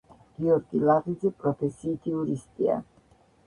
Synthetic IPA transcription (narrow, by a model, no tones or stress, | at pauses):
ɡ̥iɔɾɡilaʁid̪zɛpʼɾɔpʰɛsiːt̪ʰiuɾist̪ʼia̰